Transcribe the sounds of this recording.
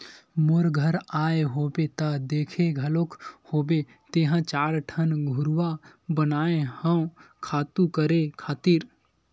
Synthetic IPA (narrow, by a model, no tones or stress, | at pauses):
moɾɡʱəɾaːeɦoːbet̪ad̪eːkʰeɡʱəlokhoːbe | t̪eɦə̃t͡ʃaːɾʈʰənɡʱʊɾwabənaːehə̃ũkʰaːt̪ukəɾekʰaːt̪iːɾ